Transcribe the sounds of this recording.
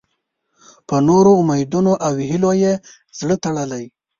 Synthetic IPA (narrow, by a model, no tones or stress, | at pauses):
pənoɾoʊmajd̪unoʔawiɦiloje | z̥ɽət̪əɽəlaj